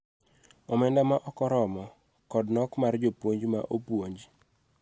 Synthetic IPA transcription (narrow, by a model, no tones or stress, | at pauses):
ɔmɛndamaʔɔkɔɾɔmɔ | kɔdnɔkmard͡ʒopwoɲd͡ʒma̰ʔopwoɲd͡ʒ